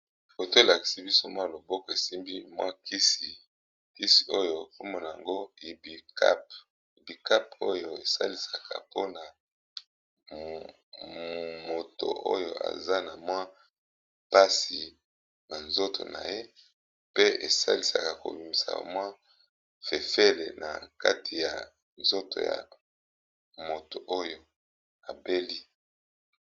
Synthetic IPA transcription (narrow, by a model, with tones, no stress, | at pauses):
ko˨to˦e˨la˨ki̥˨si˨bi˦so˦mwa˦˨lo˨bɔ˦kɔ˨e˨si˦mbi˦mwa̰˦ki˦si˨ | ki˦si̥˨o˦jo˨ko˦mɔ˦na˨ja˨ŋɡo˦i˨bka˦p | i˨bi˨ka˦po˦jo˨e˨sa˦li˨sa˨ka̰˨po˦na˨ | mo˨to̰˨ʔo̰˦jo̰˨ʔa̰˨za˦na˨mwa˦ | pa˦si˨ | na˨nzo˦tʰo̰˨na˨je˦ | pe˦e˨sa̰˦li˨sa˨ka˨ko̰˨bi˨mi˨sa̰˨mwa˦ | fe˨fe˦le˨nʔa̰˨ka̰˦tʰi˨ja˨ | nzo˦tʰo̰˨ja̰˨ | mo˨to˨ʔo˦jo˨ | a˨be˦li˦